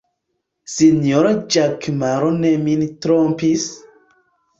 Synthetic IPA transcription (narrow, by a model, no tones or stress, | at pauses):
sinjoɾad͡ʒakmaɾonemintɾompis